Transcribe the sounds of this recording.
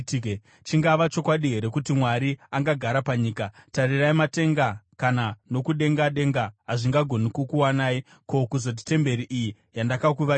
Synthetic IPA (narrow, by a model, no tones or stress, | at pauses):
tː | t͡ʃiŋɡaʋat͡ʃo̞kwaɗiɦe̞ɾe̞kutimwaɾiaŋɡaɡʱaɾapaɲiːkatariraimate̞ŋɡakanano̞kuɗe̞ŋɡaɗe̞ŋɡaɦaʐiŋɡaɡʱo̞nikokuwanaːi | ko̞kuzo̞t̬i̥te̞mbe̞ɾiʔiji | jandakak̬uʋa